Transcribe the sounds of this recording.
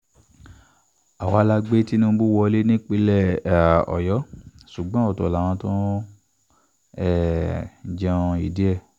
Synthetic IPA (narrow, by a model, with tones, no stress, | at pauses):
a˨wa˧˦la˦ɡ͡be˦ti˦nũ˦bu˦wɔ˧le˦nĩ˦k͡pe˧lɛ˦˨ɔ̰˨jɔ˨˦su˨ɡ͡bɔ̃˦ɔ˦˨tɔ˨lã˨ɔ̃˧˦tɔ̃˦ | ɛ˦˨ | d͡ʒã˧i˨di˨˦ɛ˦˨